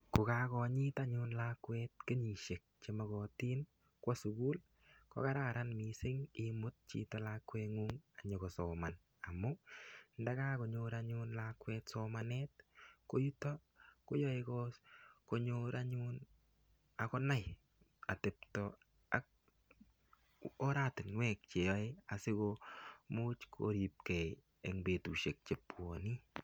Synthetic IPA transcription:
ku˨kakɔ˨ɲi˦ta˦ɲʊnla˦kwɛt̚ke˦ɲi˨ʃe˨k̚t͡ʃe˨mɔ˨ɣɔ˨tiː˦n | kwɔ˦su˨ɡu˦l | kɔ̰˦ka˦ɾaɾanmi˨sɪ˦ŋɪ˦mʊ˦t̚t͡ʃḭ˨tɔ˨lakweŋuŋa˨ɲo˨kɔ˨sɔ˨ma˨n | a˨mʊ˦nda˦ka˦ko˨ɲʊɾaɲʊnlakwɛ˧tsoma˨net̚ko˦ju˦tɔ˦ | ko˦jɔ˦ɪkɔskoɲoɾaɲʊn | a˨kɔ˦na˦j | a˨te˨p̚tɔ | a̰˦k̚ | ɔ˦ɾatɪ˨nwɛk̚t͡ʃe˨jɔɪa˨sɪ˦komu˦t͡ʃkʰo̰˨ɾi˨p̚kɛ˨j | e˨ŋbe˨tu˨ʃe˨k̚t͡ʃe˨pwoni˦

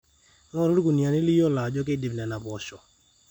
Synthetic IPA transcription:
ŋɔ˦ɾo˦dɡo˨ni˨a˨nɪ˦li˦jɔ˦˨la˨d͡ʒɔ˦k̬e˦di˨bna˨na˨pɔ˨t͡ʃɔ˨

